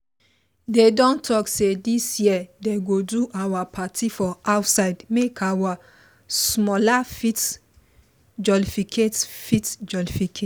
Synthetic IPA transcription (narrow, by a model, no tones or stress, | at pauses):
dedɔ̃ntʰɔksedisjiədeɡoduʔawapʰatʰifɔaʊtsaɪdmekʰawa | smɔlafit | d͡ʒɔlifikʰetfitd͡ʒɔlifikʰe